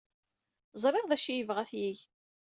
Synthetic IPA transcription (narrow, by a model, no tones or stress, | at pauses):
zˤɾˤeʁðæʃijəvʁæθjiʝ